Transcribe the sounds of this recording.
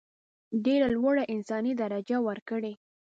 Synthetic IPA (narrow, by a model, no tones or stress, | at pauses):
ɖeɾalwaɽaʔɪnsɑnid̪aɾad͡ʒawəɾkəɽe